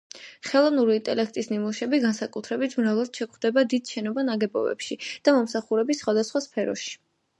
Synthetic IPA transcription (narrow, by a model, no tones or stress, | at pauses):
χɛlˠɔvnuɾiiːnt̪ʼɛlɛk̚ʰt̪ʼisnimuʃɛbiɡansakʼut̪ʰɾɛbit̪ʰmɾavlad̪̥ʃɛkχd̪ɛbad̪id̪̥ʃɛnɔbanaɡɛbɔ̰bɛ̰pʃid̪̥amɔmsaχuɾɛbisːχwad̪asχwaspʰɛɾɔ̰ʃi̥